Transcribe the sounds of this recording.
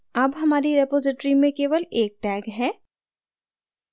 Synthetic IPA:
ɐbɦɐmaːɾiɾepoːd͡ʒɪʈɾimẽkeːʋəleːk̚ʈɛːɡɦɛː

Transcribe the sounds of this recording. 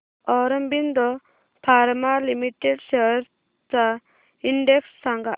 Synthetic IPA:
ɔɾɔmbind̪ɔ | pʰaɾmalimiʈeɖseɦɾ | t͡sa | iɳɖeksːaŋɡa

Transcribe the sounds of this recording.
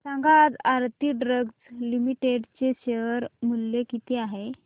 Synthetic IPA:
saŋɡad̪aɾt̪iɖɾəɡslimiʈeɖt͡seɕeɾmulːekit̪iaɦe

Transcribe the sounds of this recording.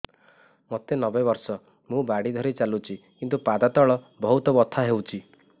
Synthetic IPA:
mot̪enɔbebɔɾsɔ | mũbaɽid̪ʱɔɾit͡ʃalut͡ʃʰikint̪upad̪at̪ɔɭɔ | bɔɦut̪ɔbɔt̪ʰaɦewt͡ʃʰi

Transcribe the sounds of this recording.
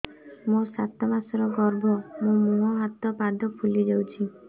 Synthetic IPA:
mũsat̪ɔmasɔɾɔɡɔɾbʱɔmũmũɦɔɦat̪ɔpad̪ʱɔpʰulid͡ʒewt͡ʃʰi

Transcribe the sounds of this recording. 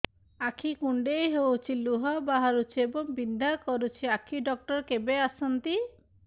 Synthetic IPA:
akʰikuɳɖejɦewt͡ʃʰiluɦɔbaɦaɾut͡ʃʰiebɔŋbind̪ʱaɾkɔɾut͡ʃʰiakʰiɖɔk̚ʈɔɾkebeasɔnt̪i

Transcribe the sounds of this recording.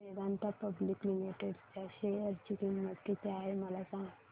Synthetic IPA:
ed̪ant̪apəblikmineʈəɾt͡ɕaɕejəɾt͡ɕikinməd̪kit̪eaɦeməlasãŋɡ

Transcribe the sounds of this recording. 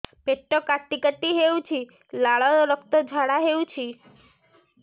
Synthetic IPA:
peʈːokaʈ̪ːikət̪iɦeũt͡ʃʰi | laɭɔɔɾəkt̪od͡ʒʱaɽaɦeũt͡ʃʰi

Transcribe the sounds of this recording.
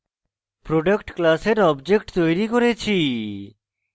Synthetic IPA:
pɾoɖəkʈklaseɾɔbd͡ʑek̚ʈt̪ojɾikoɾet͡ɕʰi

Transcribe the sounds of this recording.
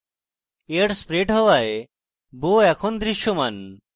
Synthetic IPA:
eʈspɾeʈɦɔwae | boɛkʰond̪ɾiʃjoman

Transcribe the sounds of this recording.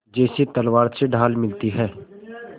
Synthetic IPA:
d͡ʒɛːset̪ɐlwaːɾseɖʱaːlmɪlt̪iɦɛː

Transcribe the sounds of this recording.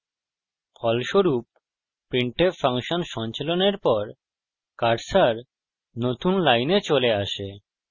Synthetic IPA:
pʰɔlʃoɾupː | iɳʈefaŋʃonʃɔnt͡ɕeloneɾpɔɾ | kaɾsaɾ | not̪unlajnet͡ɕoleaʃe

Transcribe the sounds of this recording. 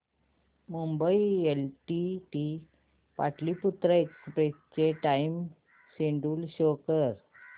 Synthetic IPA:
mumbəielʈiʈi | paʈliːput̪ɾəekspɾest͡ɕeʈaim | ɕeɳɖuːlɕokəɾ

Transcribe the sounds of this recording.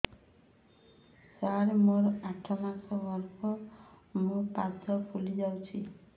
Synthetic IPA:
saɾmoɾaʈʰːɔmasɔbɔɾpɔmopad̪ɔpʰulid͡ʒawt͡ʃʰi

